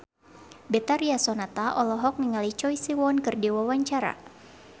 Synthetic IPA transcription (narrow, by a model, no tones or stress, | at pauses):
bɛt̪aɾiasɔnat̪aʔɔlɔɦɔk̚niŋalit͡ʃɔjsiwɔnkɨrdiwawaɲt͡ʃaɾa̰